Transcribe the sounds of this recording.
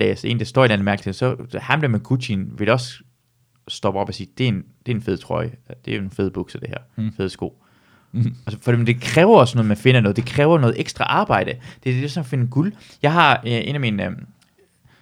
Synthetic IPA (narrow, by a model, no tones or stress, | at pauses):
d̥ɛ̰se̝ːnid̥æsd̥ɔ̰ienæn̩mæɐ̥l̥i̥e̝sɒ̽hæmdemekʰut͡sʰinʋe̝d̥eɒs | sd̥ɒ̽b̥ɒ̽b̥ɒsiːd̥e̝end̥e̝æɐenfe̝ð̞̩ˠt͡sʰʁɒɪd̥e̝æjenfe̝ːð̞̩ˠb̥uɡ̥sɒd̥e̝hæɐ̰fe̝ð̞̩ˠsɡ̥o̝̰ː | fɒd̥imend̥e̝kʰʁɛːʊɐɒ̽snɔ̽ːð̩ˠmænfe̝nənɔð̩ˠd̥e̝kʰʁɛːʊɐnɔ̽ð̩ˠeɡ̥sd̥ʁɑ̈ʔɑ̈ːb̥ɑ̈ɪ̰d̥əd̥e̝desɒ̽mæfe̝nəɡ̥ul | jɑ̈ɪhɑ̈e̝ːnæmin